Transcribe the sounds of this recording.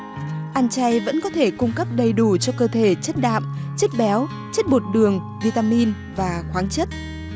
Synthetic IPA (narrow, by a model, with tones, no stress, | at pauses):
ʔaː˧nt͡ɕa˧jvə̰˧˥nkɔ˨˦t̪ʰe˧˩kʊ˧ŋ͡mkə˦˥p̚ɗə˨˩jɗu˧˩t͡ɕɔ˧kəː˧t̪ʰe˧˩t͡ɕə˦˥t̚ɗa̰ː˧˨mt͡ɕə˦˥t̚ɓɛ˨˦w | t͡ɕə˦˥t̚ɓo˨˩t̚ɗɨ˨˩əŋ | vi˧t̪aː˧mi˧n | vaː˨˩xwaː˨˦ŋt͡ɕə˦˥t̚